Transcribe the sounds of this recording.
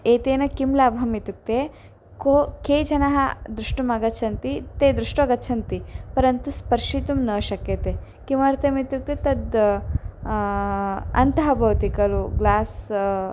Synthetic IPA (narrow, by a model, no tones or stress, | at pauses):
eːt̪eːnɐkimlaːbʱɐmit̪uk̚t̪e | kokeːd͡ʒɐnɐɦɐ̰d̪ɾuʂʈumɐɡɐt͡ʃʰɐnt̪it̪eːd̪ɾuʂʈʋɐɡɐtːt͡ʃʰɐnt̪ipɐɾɐnt̪uspɐɾʃit̪umnɐːʃɐkjɐt̪e | kimɐɾt̪ʰɐmit̪uk̚t̪et̪ɐd̪ | ɐ̰nt̪ɐɦɐbʱɐwt̪ikɐluɡlaːs